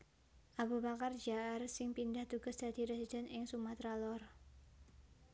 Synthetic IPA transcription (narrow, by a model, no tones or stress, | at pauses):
ʔabubakard͡ʒaʔarsɪŋpindaht̪uɡ̥asd̥ad̥iɾesidɛnɪŋsumat̪ɾalɔr